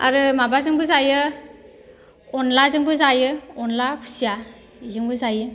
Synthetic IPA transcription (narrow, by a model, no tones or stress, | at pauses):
a̰ɾɯmabazɯŋbɯzajɯ | ɔnlazɯŋbɯzajɯɔnlakʰu̥sija | izɯŋbɯsajɯ